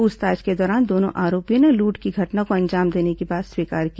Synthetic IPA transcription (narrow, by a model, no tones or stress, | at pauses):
ʊst̪aːd͡ʒked̪ɔːɾaːnd̪oːnõ̰ʔaːɾoːpijoneluːʈkiɡʱɐʈnakoɐ̃ɲd͡ʒaːmd̪eːnekibaːt̪swiːkaːɾki